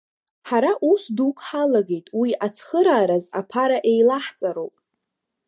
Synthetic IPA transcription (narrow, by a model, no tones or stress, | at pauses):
ħaɾaʔusdukʷʰħalaɡe̞jtʼwiat͡sʰχəɾaːɾaza̰pʰaɾaʔejlaħt͡sʼaɾowpʼ